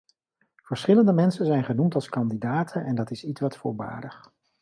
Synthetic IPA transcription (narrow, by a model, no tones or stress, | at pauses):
v̥əɹsχɪləndəmɛnsənzɛjnχənumtɑlˠskɑndidaːtʰənɛndɑtɪsitsʋɑtfʊːɹba̰ːdəχ